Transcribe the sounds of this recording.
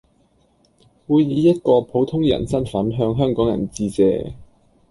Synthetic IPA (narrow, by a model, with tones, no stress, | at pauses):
wuː˨˧jjiː˨˧jɐ˥t̚kɔː˧pʰo˨˥wt̪ʰʊ˥ŋjɐ̰˨˩nsɐ˥nfɐ˨˥nɦœː˧ŋɦœː˥ŋkɔː˨˥ŋjɐ̰˨˩nt͡siː˧t͡sɛ̰ː˧